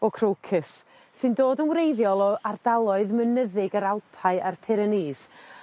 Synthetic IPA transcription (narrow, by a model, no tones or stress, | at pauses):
ɔkʰrowkʰɪsː | ɨndoːdənwrejðjɔlˠɔardalˠɔɨðmənəðɪɡəɾalˠpʰaɨʔarpʰɪɾəniːs